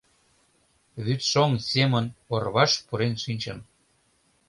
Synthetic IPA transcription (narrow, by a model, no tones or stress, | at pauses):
βyt̪ʃoŋsʲemənorβɑʃpuɾenʃinʲt͡ɕəm